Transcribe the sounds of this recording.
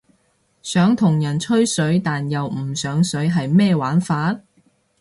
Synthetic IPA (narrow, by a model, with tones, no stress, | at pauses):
sœː˨˥ŋt̪ʰʊ˨˩ŋjɐ˨˩nt͡ʃʰɵ˥ɥsɵ˨˥ɥt̪aː˨njɐ˨wm̩˨˩sœː˨˧˥ŋsɵ˨˥ɥɦɐ˨jmɛː˥˧waː˨˥nfaː˨˥t̚